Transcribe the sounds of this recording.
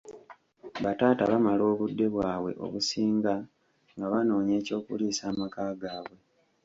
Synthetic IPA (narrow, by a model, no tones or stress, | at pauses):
βataːtaβamalo̞ːβudːe̞βwaːβwe̞̰ʔo̞̰βusiːŋɡa | ŋɡaβano̞ːɲe̞ːco̞ːkuliːsaːmakaːɡaːβwe̞